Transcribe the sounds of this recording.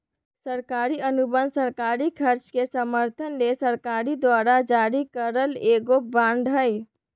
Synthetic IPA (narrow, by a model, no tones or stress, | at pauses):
səɾkaɾiənubənd̪səɾkaɾikʰəɾt͡ʃkesəməɾt̪ʰənlesəɾkaɾid̪wʋaɾad͡ʒaɾikəɾəleɡobãɳɖɦəj